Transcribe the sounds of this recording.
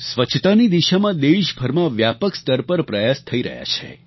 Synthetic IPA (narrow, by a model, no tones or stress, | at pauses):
sʋət͡ʃʰt̪anid̪iʃamãd̪eʃbʱəɾmãʋjapəkst̪əɾpəɾpɾəjast̪ʰəiɾə̰ɦja̰t͡ʃʰḛ